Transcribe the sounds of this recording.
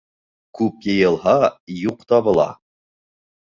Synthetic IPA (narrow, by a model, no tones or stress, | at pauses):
kʉpjɤ̆jɤ̆lˠɦɑjuqt̪ɑβɤ̆lˠɑ̰